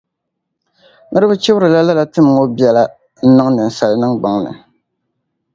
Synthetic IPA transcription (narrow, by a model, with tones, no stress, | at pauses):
nɨ˦ɾɨ˦bɨ˦t͡ʃe˦bʊ˦ɾɨ˨la˦la˦la˨tɨ˦m˨ŋo˦bi˦ɛ˦la˦ | n̩˦nɨ˦ŋnɨ˨n̩˨sa˨lnɨ˦ŋɡ͡ba˨ŋnɨ̰˨